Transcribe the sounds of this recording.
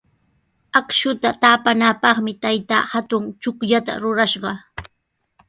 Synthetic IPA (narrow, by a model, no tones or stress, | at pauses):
akʃʊt̪at̪aːpanapɑχmɪt̪ajt̪a̰ːhat̪ʊŋt͡ʃʊkʎat̪a̰ɾʊɾaʃɢɑ